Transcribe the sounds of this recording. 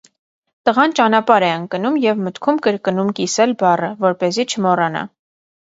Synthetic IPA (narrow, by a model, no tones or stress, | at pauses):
t̪əʁɑnt͡ʃɑnɑpɑɾɛəŋkənumjɛvmət̪kʰumkəɾkənumkisɛlbɑrəvɔɾpɛzit͡ʃʰəmɔrɑnɑ̰